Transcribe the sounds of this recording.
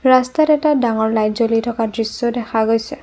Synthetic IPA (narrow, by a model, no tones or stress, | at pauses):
ɹastatɛtadaŋɔɹlajzolitʰɔkadɹisːodɛxʰaɡojsɛ